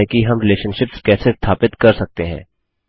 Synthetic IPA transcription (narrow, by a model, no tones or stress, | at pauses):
ɛkiɦɐmɾɪleːʃənʃɪpskɛːsest̪ʰaːpɪt̪kɐɾsɐk̚t̪eɦɛ̰̃ː